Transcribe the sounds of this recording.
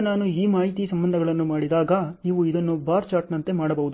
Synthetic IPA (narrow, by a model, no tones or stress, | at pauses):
naːnuiːmaːɦit̪isɐmbɐnd̪ʱɐɡɐɭɐnːumaːɽid̪aːɡɐniːʋuid̪ɐnːubaːɾt͡ʃaːɾʈnɐnt̪e̞maːɽɐbɐʋud̪u